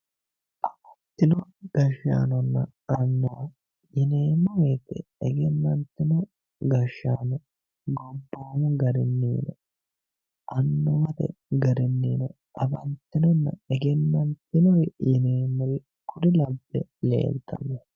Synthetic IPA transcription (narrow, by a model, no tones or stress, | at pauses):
ʔɐbɐnt̪ːɪnɔɡ̥ɐʃːa̰ːnɔnːɐ | ɐnːɔwɐ | jɪneːmːɐmet̪ɛɛɡɛnːɐnt̪ːɪnɔ | ɡɐʃːaːnɔ | ɡɔbːoːmʊɡɐɾɪnːiːnɛ | ʔɐnːɔmɐt̪ɛ̰ɡɐɾɪnːiːnɛ | ʔɐbɐnt̪ːɪnɔnːɐɛɡɛnːɐnt̪ɪnɔjjɪneːmːɔl | kʰʊd̪ɪlɐbːɛlḛːlt̪ʰːɐ̰mːɛ